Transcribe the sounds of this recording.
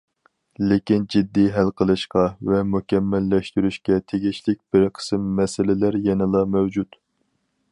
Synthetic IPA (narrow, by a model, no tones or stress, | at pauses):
lekʲind͡ʒid̪ːiɦælqʰəlˠɨʃqɑvɛmukʲʰɛmːælːɛʃt̪yɾyʃkʲɛt̪ʰeɡʲiʃlɪk̚ʲb̥ɪɾqʰə̥sɨmːɛsɪlɪlæɾjɛnɪlˠɑmɛwd͡ʒut̪